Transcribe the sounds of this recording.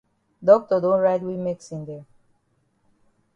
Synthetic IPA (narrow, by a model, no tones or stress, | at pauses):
dɔk̚tɔdõnɹaɪdwimeksĩnd̪ɛ